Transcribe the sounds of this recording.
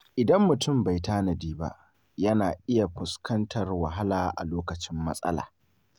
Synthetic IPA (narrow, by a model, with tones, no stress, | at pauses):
ʔɪ˨dɐ˦mːʊ˨tʊ˦˨mba˨jtaː˦nɐ˨diː˦ba̰˦ʔ | jɐ˦naː˨ʔɪ˦ja˨ɸʊ˨skʰɐ˦ntʰɐ˨rwɐ˨ɦa˦laː˨ʔa̰˨loː˦kɐ˨t͡ʃɪ˦mːɐ̰˦sʼɐ̰˦la̰ː˨